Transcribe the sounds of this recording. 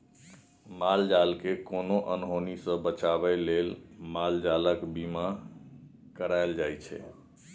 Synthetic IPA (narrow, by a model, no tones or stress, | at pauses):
mald͡ʒalkekonoʔənɦonisə̃bət͡ʃabɛlelmald͡ʒaləkbima | kəɾaɪld͡ʒajt͡ʃʰɛ̰